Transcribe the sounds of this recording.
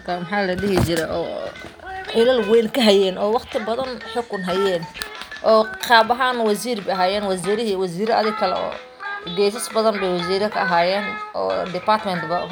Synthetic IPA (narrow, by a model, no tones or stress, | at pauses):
mrkʰɐmɐħaːlɐɗɪɦɪt͡ʃɪɾɛjʔɔ̰ː | ħɪlɐlwɛjŋkʰɐɦɐjɛːnɔːwɑqt̪ʰɪbɐðɐnħʊkʰʊnɦɐjɛːnʔɔːqɑːbɐɦaːnwɐsiːrbɛɐɦaːjɛːnwɐsiːɾɪɦiwɐsiːɾɐɐðɪɡkʰɐlɛɔ̰ː | ɡɛːs̬ɐsbɐðɐnbɛjwɐs̬iːɾɐkʰɐːɦaːjɛːnʔɔ̰ːdɪpart̪mɛnt̪bɐ